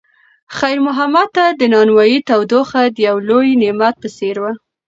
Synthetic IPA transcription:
xajɾmʊɦamad̪̚t̪ːad̪ənɑnwɑjit̪awd̪oxad̪əjawlojnemat̪̚pəseɾwa

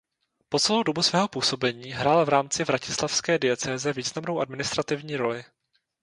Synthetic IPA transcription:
po̞t͡sɛlowdo̞busvɛːɦo̞puːso̞bɛɲiːɦɾaːlvɾaːmt͡sɪvɾacɪslafskɛːdɪjɛt͡sɛːzɛviːznamno̞wʔadmɪnɪst̪ɾat̪ɪvɲiːɾo̞lɪ

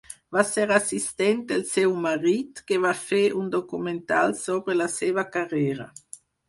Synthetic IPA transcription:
vasɛʁasist̪ɛnt̪elsewmaʁit̪kevafɛʔund̪okument̪a̰lsoːbɾelaseːvakaʁɛːɾa̰

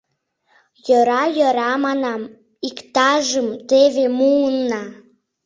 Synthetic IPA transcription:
jəɾɑjə̆ɾɑmɑnɑm | ikt̪ɑʒəmt̪eβemuənːɑ

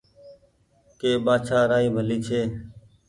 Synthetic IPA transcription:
keːɓaːt͡ʃʰaːɾaːiːbʱəliːt͡ʃʰeː

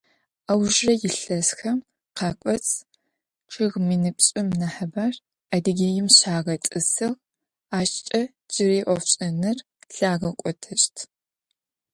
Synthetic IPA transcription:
ɐwʒrɐjɪɬɐsxɐm | qʰɑːkʷʼɔt͡sʼ | ʈ͡ʂʰɨɣminɨpɕʼɪmnɐħɐbaːr | adɨɡʲejɪmɕaːʁɐt͡sʼɨsɨʁ | aːʃt͡ʃʼɐ | d͡ʒɪriːʔʷɔfɕʼɐnɨr | ɬaːʁɐkʷʼɔtʰɨʃtʰ

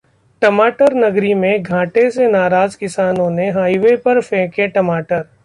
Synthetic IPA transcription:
ʈɐmaːʈəɾnɐɡɾimẽɡʱãːʈesenaːɾaːzkɪsaːnõneɦaːiʋepɐɾfɛ̃ːkeʈɐmaːʈəɾ

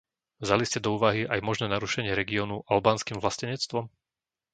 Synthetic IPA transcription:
vzaliscɛd̪ɔuːʋaɦiʔajmɔʒnɛːnaɾuʃɛɲɪɛɾɛɡiɔːnuʔalbaːnskimvlascɛɲɛt͡st̪ʋɔm

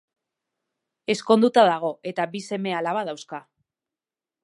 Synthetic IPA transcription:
e̞sko̞nd̪ut̪aðaɣ̞o̞e̞t̪abise̞me̞alaβaðawska

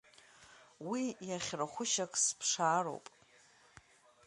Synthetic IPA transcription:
wijaχʲraχʷʊʃakʼspʰʂaːro̰wpʼ

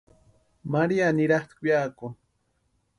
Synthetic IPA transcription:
maɾianiɾaχt̪kujaku

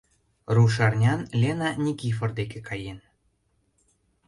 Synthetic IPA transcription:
ruʃ̬ɑrnʲɑnlʲenɑnʲikiford̪ekĕkʰɑjen

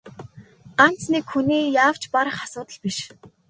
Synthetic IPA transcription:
an̥t͡snikxuniːjaːw̥t͡ɕpaɾə̆χasʊːt̪ə̆ɮpiʃ

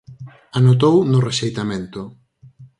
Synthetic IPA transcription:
anot̪̬ownʊreʃejt̪amẽnt̪ʊ

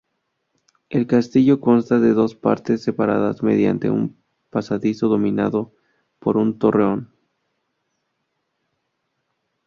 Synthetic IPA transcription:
e̞lkast̪iʝo̞ko̞nst̪aðe̞ðo̞spa̰ɾt̪e̞sːe̞paɾa̰ðazme̞̰ðja̰nt̪e̞̰ṵm | pasaðiso̞ðo̞mĩnaðo̞ | poɾunt̪o̞re̞o̞n

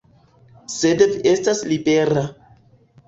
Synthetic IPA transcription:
sedvestaslibeɾa

